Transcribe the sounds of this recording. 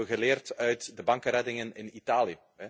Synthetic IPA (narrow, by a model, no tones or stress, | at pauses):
ɣəleːrtœɥtdəbɑŋkəɾɛdɪŋənɪ̰nitaːliə | ɛ